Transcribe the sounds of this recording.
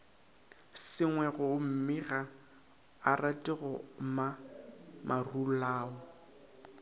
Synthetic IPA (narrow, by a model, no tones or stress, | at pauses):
sɪŋwɛɣʊm̩mɪɣa | aratʼɪɣɔma | mʔarulaːɔ